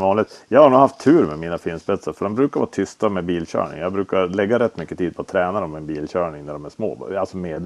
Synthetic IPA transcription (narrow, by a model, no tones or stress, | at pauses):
vɑːnlɪɡ̪jɑɡhaɾɳuːɡhaft̪ʰːʉ̟ːɾmɛmiːnafinsbɾɛt̪saɾfœɖɔmbɾʉ̟ːkaɾvɑ̰ːt̪ʰʏst̪amɛbiːlɕœ̰ːɳɪ̰ŋjɑːɡbɾʉ̟ːkaɾlɛɡːaɾɛt̪ːmʏkːət̪iːd̪̚pʰɔat̪ʰɾɛːnaɾɔmːɛnbiːlɕœːɳɪŋnæɖɔmæʂmo̰ːalsɔmeːd̪